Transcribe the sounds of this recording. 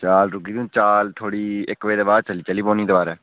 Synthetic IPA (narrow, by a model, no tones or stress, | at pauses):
t͡ʃaːlɾʊɡiːd̪ĩːt͡ʃaːlt̪ʰoːɽiːɪkʋeːd̪eːbaːd̪̚t͡ʃəliːt͡ʃəlːiːpõːnĩːd̪ebaːɾɛː